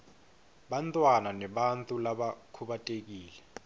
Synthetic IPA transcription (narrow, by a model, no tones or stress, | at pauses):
ɓantʼwananɛɓantʼulaɓakʰuɓatʼek̬iːlɛ